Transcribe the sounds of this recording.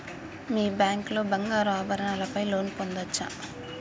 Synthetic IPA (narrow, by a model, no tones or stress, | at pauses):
miːbjaːŋklo̞ːbɐŋɡaːɾaːbʱɐɾɐɳaːlɐpɐjlo̞ːnpond̪ɐt͡ʃːa̰